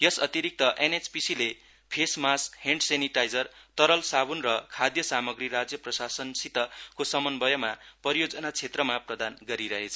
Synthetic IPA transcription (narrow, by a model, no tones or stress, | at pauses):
jʌsʌt̪iɾik̚t̪ʌʔenet͡spisile | pʰesmasheɳɖseniʈajd͡zʌrt̪ʌɾʌlsaβunrʌkʰad̪jʌsamʌɡriɾad͡zjʌprʌsasʌnsit̪ʌkosʌmʌnbʌjʌmapʌɾijod͡zʌnat͡sʰet̪rʌmaprʌd̪anɡʌɾiɾʌɦet͡sʰʌ